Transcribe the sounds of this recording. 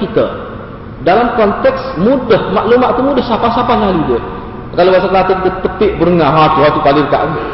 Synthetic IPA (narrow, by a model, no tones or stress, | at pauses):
kit̪ə̰ | dalamkɔnt̪ɛksmudəhmaʔlumaʔt̪umudəhsapasapaslalidiə | kalobaʔsat̪lat̪əkit̪ət̪əpɪʔbəɾəŋaɦat̪uɦat̪ukalidəka̰ʔ